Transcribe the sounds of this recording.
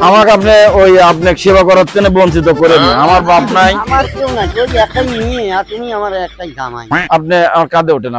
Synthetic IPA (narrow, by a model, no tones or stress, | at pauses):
amakapneojapnekʃebakɔɾot̪ːenebontʰit̪̬okoɾeniamaɾbabnajamaɾkewnakewɛkʰʈajnieaɾt̪umiamaɾɛk̚ʈajd̪a̰ma̰jap̚neamaɾkad̪eoʈena